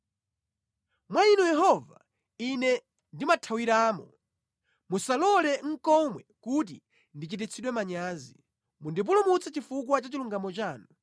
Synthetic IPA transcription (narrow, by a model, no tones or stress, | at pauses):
mwainujɛɦɔva̰ | inɛ | ndimatʰawiɾaːmɔ | musalɔlɛŋ̩kɔmwɛkut̬i | ndit͡ʃit̬it͡sʰiɗwɛmaɲaːzi | mundip̬ulumut͡sʰɛt͡ʃifuk̬wat͡ʃat͡ʃiluŋɡamɔt͡ʃaːnɔ